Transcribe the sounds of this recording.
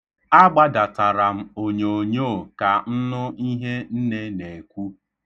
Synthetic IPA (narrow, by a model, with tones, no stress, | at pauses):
a˦ɡ͡ba˦da˨ta˨ɾa˨m̩˦o˨ɲo˨o˨ɲo˦˨ka˨n̩˦nʊ˦i˦ɦe˦n̩˦ne˦ne˨kʷu˦